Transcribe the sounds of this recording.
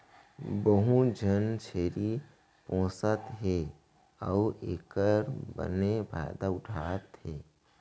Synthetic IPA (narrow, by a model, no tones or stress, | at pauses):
bəɦũd͡ʒʱənt͡ʃʰeːɾi | põːsət̪ɦe | əueːkəɾbə̰nebʱa̰d̪aʊʈʰaːt̪ɦeː